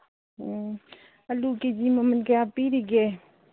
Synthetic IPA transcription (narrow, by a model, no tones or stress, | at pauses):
ɐluked͡ʒimɐmɐnkeapiɾiɡe